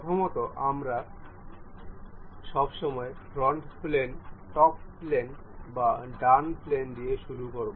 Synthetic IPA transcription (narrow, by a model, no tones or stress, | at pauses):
t̪ʰomɔt̪oʔamɾa | ʃɔbʃɔmɔefɾɔɳʈplenʈɔpplenbaɖanplend̪ieʃuɾukoɾbo